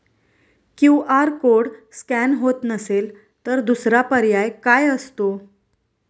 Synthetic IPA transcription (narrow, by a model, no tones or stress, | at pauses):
kiaɾkoɽskænɦot̪nəsel | t̪əɾd̪usɾapəɾjajkajəst̪o